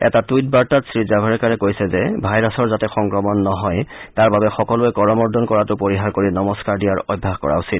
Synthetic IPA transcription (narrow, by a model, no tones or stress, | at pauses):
ɛ̰tatujt̚baɹtatsɹizabʱaɹɛkaɹɛkojsɛzɛbʱajɹasɔɹzatɛxɔŋkɹɔmɔnːɔɦɔjtaɹbabɛxɔkɔlʊɛkɔɹɔmɔɹdʱɔnkɔɹatʊpoɹiɦaɹkoɹinɔmɔskaɹdijaɹɔ̰jbʱːahkɔ̰ɹa̰usit